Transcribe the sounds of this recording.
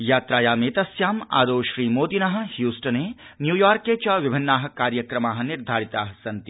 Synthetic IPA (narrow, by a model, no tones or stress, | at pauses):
jaːt̪ɾaːjaːmeːt̪ɐsjaːma̰ːd̪oːʃɾiːmoːd̪inɐɦə̆hjuːsʈənenjuːjaːɾkːet͡ʃɔʋɪbʱɪnːaːɦ̆kaːɾjəkɾɐmaːɦɐ̆nɪɾd̪ʱaːɾit̪aːɦɐsɐnt̪i